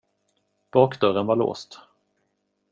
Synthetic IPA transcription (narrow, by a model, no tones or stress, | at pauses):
b̥ɑːkd̪œɾənvaɭo̰ːst̪